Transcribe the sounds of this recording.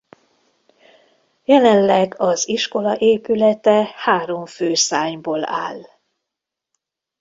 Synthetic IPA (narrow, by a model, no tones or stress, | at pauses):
jɛlɛnlɛɡɒziʃko̞lɒʔeːpylɛt̪ɛhaːɾo̞ɱføːsaːɲboːla̰ːl